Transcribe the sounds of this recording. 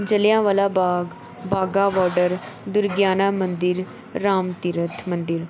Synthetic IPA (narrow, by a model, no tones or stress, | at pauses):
d͡ʒəlɪjãːʋaːlaːbaːɡ | baːɡaːʋɔːɾɖəɾ | d̪ʊɾɡjaːnaːmənd̪ɪɾː | aːmt̪ɪɾət̪ʰmənd̪ɪɾ